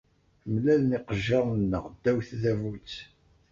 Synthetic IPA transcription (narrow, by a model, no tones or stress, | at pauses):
əmlælniqəʒɑʁnːəʁd̪ːæwθðævut͡sː